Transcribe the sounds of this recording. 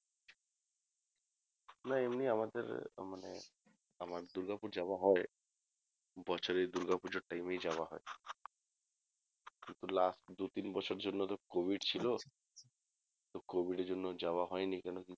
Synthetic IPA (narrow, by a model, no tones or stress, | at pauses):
naemniamad̪ḛɾmanḛ | amaɾd̪uɾɡapuɾd͡ʑabaɦɔe | bɔt͡ɕʰoɾejd̪uɾɡapuɾd͡ʑeɾʈajmejd͡ʑawaɦɔe | kint̪ulasʈd̪ut̪inbɔt͡ɕʰoeɾd͡ʑonːot̪okobʱiɖt͡ɕʰilo | t̪okobʱiɖeɾd͡ʑonːod͡ʑaoaɦɔenikɛnoki